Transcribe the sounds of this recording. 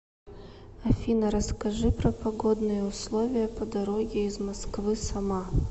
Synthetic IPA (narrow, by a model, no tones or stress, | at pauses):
ɐfʲinɐɾɐskɐʐɨpɾɐpɐɡɔd̪nɨjɛʊslˠovʲɪjɐpɐd̪ɐɾoɡʲɪizmɐskvɨsɐma